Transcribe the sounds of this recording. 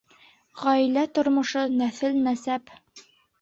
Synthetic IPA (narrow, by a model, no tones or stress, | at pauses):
ʁɑilæt̪ŏɾmŏʃɤnæθɘlnæsæp